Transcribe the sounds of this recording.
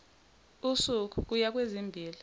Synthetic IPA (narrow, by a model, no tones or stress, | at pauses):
usuk̬uk̬ujak̬wezimbʱiːli